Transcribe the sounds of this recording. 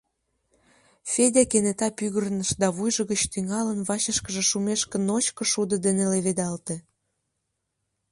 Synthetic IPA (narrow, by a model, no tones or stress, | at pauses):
fedʲekenet̪ɑpyɣərnəʃd̪ɑβujʒə̆ɣət͡ɕt̪yŋɑlənβɑɕəʃkəʒĕʃumeʃkə̆not͡ɕkɤ̆ʃud̪ə̆d̪eneleβed̪ɑlt̪ĕ